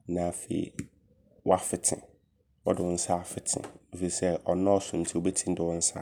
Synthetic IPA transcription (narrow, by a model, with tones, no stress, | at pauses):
nã˨fḛ˨ḭ˨ | wɔ˦a˦fɪ˨tʰɪ̰̃˨ | wɔ˦dɪ˨wɔ̃˦n̩˦sa˦˨fɪ˨tʰɪ̰̃˨o˦˨fi˨sɛ˦ɔ˨nã˦ɔ˦sʊ̃˨n̩˦tʰi˦o˦bɛ˦tʰĩ˦n̩˦dɪ˨wɔ̃˦n̩˦sa̰˦˨